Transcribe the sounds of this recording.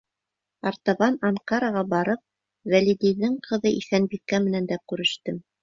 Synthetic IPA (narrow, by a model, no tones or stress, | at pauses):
ɑɾt̪ɑβɑnɑɴqɑɾɑʁɑbɑɾɤp̚ | vælid̪ijðɘŋqʰɤ̆ðɤʔiθænbikːæmɘ̆nænd̪ækʉɾɘ̆ʃt̪ɘm